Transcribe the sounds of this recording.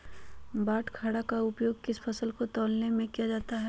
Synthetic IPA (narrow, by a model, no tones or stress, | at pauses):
baːʈkʰaːɽakaʊpjoːɡ̚kɪspʰɐsəlkot̪ɔːlnemẽkijad͡ʒaːt̪aɦɛ